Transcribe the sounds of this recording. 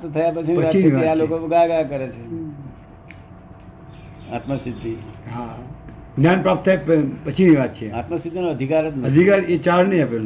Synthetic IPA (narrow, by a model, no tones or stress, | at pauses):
t̪t̪ʰəjapət͡ʃʰinəat͡ʃʰineiʋaat͡ʃlokoɡaɡakəɾet͡ʃʰe | at̪məsɪd̪ʱːiɦa | ɡnjanpɾaːp̚t̪ʰːaeppət͡ʃʰiniʋat̪̚t͡ʃʰeat̪məsɪd̪ʱːinoəd̪ʱikaɾɦɛt̪nəd̪ʱikaɾet͡ʃaɾnəĩəpelo